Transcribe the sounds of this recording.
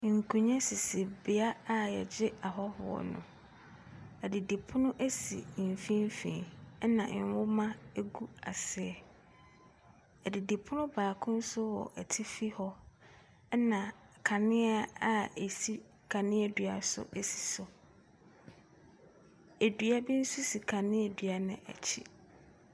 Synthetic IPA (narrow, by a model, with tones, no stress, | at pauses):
ŋ̩˨kʰũ˨ɲɛ̃˦sɪ˨sɪ˨bɪ˨a˦a˨jɛ˨d͡ʑɪ˦a˨ɦɔ˦hʊ̰˨ɔ̰˨nʊ̰̃˨ | ɛ˨dɪ˨di˨pʰʊ˦nʊ̃˦ʔæ˦sḭ˨fĩ˦m˦fĩ˨ɛ˦nã˨˦wʊ˦mã˦ɡu˦a˨sɪ˨ɛ˨ | ɛ˨dɪ˨di˨pʰʊ˦nʊ̃˦baː˨kʰʊ̃˦n̩˦sʊ˦wɔ̰˨ʔɛ˨tʰɪ˦fi˦hɔ˦ | nã˨kʰa˨nɪ̃˦a˦a˦e˨si˦ | kʰa˨nɪ̃˦ɛ˨dɥa˨sʊ̰˦ʔæ˨si̥˨sʊ˨ | æ˨dɥa˦bi˦n̩˦su˦si˨kʰa˨nɪ̃˦e˨dɥa˨nɪ̰̃˨ʔæ̰˨t͡ɕʰḭ˨